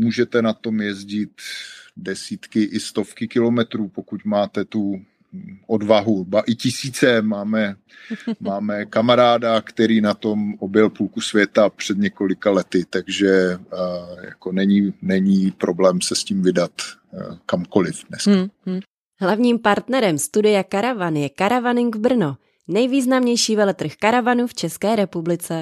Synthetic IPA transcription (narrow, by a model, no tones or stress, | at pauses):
muːʒɛt̪ɛnat̪o̞mjɛzɟɪt̪dɛsiːt̪kɪʔɪst̪o̞fkɪkɪlo̞mɛt̪ɾuːpokucmaːt̪ɛt̪u | ʔodvaɦubaʔɪcɪsiːt͡sɛmaːmɛ | maːmɛkamaɾaːdakt̪ɛɾiːnat̪omʔobjɛlpulkusvjɛt̪apr̥ɛd̪ɲɛko̞lɪkalɛt̪ɪt̪aɡʒɛ | ja̰konɛɲinɛɲiːpɾʔoblɛːmsɛsciːmvɪdat̪kamko̞lɪfdnɛska | ɦlavɲiːmpaɾt̪nɛɾɛmst̪udɪjakaɾavanjɛkaɾavanɪŋɡvbr̩no | nɛjviːznamɲɛjʃiːvɛlɛt̪r̩xkaɾavanuft͡ʃɛskɛːɾɛpublɪt͡sɛ